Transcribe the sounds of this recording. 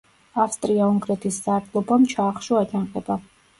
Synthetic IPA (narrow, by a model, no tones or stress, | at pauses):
afst̪ʼɾiauŋɡɾɛt̪ʰiszaɾt̪ʰʼlˠɔbamt͡ʃʰaːχʃuat͡ʃʰanqʼɛba